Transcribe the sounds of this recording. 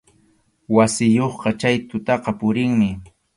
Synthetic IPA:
wasɪjoχqɑt͡ʃajt̪ʊt̪ɑqɑpʊɾɪŋmɪ

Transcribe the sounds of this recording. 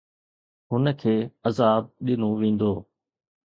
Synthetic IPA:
ɦʊnəkʰeːəzaːb̚ɗɪnoʋẽːn̆d̪oː

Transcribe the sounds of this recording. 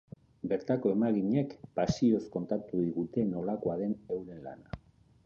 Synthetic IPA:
be̞ɾt̪ako̞e̞maɣiɲe̞kpasio̞sko̞nt̪at̪uðiɣut̪e̞no̞lakoaðe̞ne̞wɾe̞nla̰na

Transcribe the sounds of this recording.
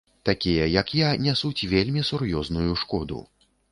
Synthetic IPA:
t̪akʲijɐjɐkjanʲɛsut͡sʲvʲelʲmʲisuɾjɔznujuʂkɔd̪ṵ

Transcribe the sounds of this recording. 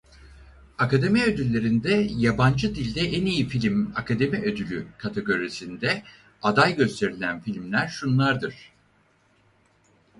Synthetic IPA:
akad̪e̞miø̞d̪ylʲːe̞ɾind̪ɛjaband͡ʒɯd̪ilʲd̪ɛʔɛnijifilʲimakʰad̪e̞miʔød̪ylʲykʰat̪ʰeɡo̞ɾisind̪ɛ | ad̪ajɟø̞st̪ʰe̞ɾilʲænfilʲmlʲæɾʃunlˠaɾd̪ɯɾ̥

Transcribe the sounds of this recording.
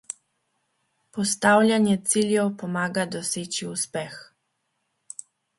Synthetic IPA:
pɔst̪aːwlʲjanjɛt̪siːljɛwpɔmaːɡad̪ɔseːt͡ʃiuspɛx

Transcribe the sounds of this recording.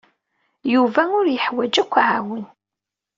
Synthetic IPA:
juvæʊɾjəħwæd͡ʒækʷːʕawən

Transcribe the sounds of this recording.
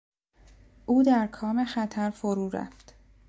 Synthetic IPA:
ʔuːd̪æɾkʰɒːme̞xæt̪ʰæɾfoɾuːɾæ̰ft̪

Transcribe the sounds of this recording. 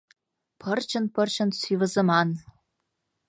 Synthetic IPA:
pʰɤ̆rt͡ɕɤ̆npɤ̆rt͡ɕɤ̆nsyvə̆zə̆mɑn

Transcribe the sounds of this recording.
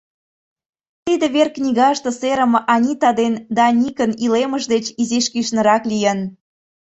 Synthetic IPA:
t̪id̪ĕβerknʲiɣɑʃt̪ɤ̆seɾə̆mɤ̆ʔɑnʲit̪ɑd̪end̪ɑnʲikənileməʒd̪et͡ɕiziʃkiʃnə̆ɾɑklijən

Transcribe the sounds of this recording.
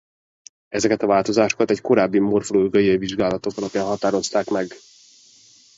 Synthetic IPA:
ɛzɛkɛt̪ɒvaːlt̪o̞zaːʃo̞kɒt̪ɛcko̞ɾaːbːimo̞rfoloːɡɒjɒjviʒɡaːlɒt̪o̞kɒlɒpjaːnɦɒt̪aːɾo̞st̪aːkmɛɡ

